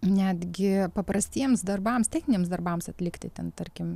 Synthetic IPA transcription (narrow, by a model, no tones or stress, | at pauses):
nʲæːd̪ʲɡʲɪpɐpɾɐsʲt̪ʲiɛmsd̪ɐrbɑmst̪ʲɛɪkʲɪnʲiɛmsd̪ɐrbɐmsɐt̪ʲlʲɪkt̪ʲɪt̪ʲɛnt̪ɐɾʲkʲɪm